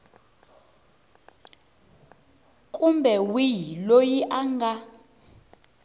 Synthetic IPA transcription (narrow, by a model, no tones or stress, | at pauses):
kʼumbɛwijilojiʔaŋɡa